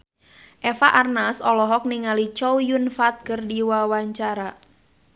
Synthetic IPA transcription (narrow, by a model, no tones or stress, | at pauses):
ʔɛfaʔarnasɔlɔɦɔk̚niŋalit͡ʃɔujunfat̪̚kɨrdiwawaɲt͡ʃaɾa